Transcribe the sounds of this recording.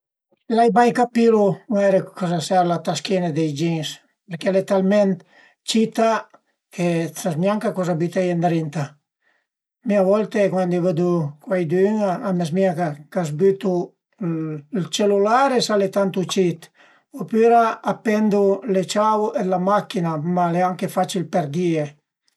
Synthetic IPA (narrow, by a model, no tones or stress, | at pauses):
lajbajkapiluɛɾekɔzasɛɾlat̪askined̪ejd͡ʒiŋs | peɾkelet̪almɛnt̪ | t͡ʃit̪a | kesazmjaŋkakɔzabyt̪ejand̪ɾint̪a | miavɔlt̪ekwand̪ivad̪ukwajd̪yŋamezmiaŋkakazbyt̪u | lt͡ʃelulaɾesalet̪ant̪ut͡ʃit̪ | opyɾaːpɛnd̪ulet͡ʃawed̪lamakːinamaleaŋkefat͡ʃilpeɾd̪ie